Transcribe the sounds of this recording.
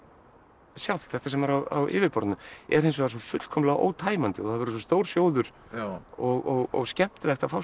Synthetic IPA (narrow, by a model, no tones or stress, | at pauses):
sjawl̥t̪θɛht̪asɛmaɾawa̰wʔɪ̰ːvɪðpɔɾt̪nʏɛɾ̥hejnsvɾs̬ɔfʏt̪l̥kʰɔmlaɣʔo̰ːwt̪ʰaːjmant̪ɪɔθaðvɛɾʏs̬ɔst̪oːwɾ̥sjoːwðʏɾ̥ | ɔɣɔɣɔ̰ɣscɛm̥t̪ɪlɛxt̪afaw